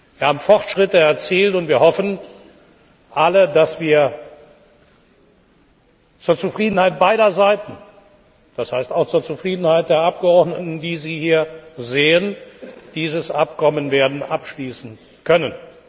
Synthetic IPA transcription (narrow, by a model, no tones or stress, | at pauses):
viːɐhaːbm̩fɔʁtʃʁ̥ɪtəɛɐt͡siːltʊntv̥iːɐhɔfn̩ | ʔalədasv̥iːɐ | t͡suːɐt͡sufʁ̥iːdn̩haɪt̚b̥aɪɾɐzaɪtn̩ | d̥ashaɪstaʊxt͡suːɐt͡sufʁ̥iːdn̩haɪt̚d̥eːɐʔap̚ɡ̥əɔɐdnətn̩diːziːhiːɐzeːənd̥iːzəsʔap̚kʰɔmənveːɐdn̩ʔapʃliːsn̩ | kʰœnən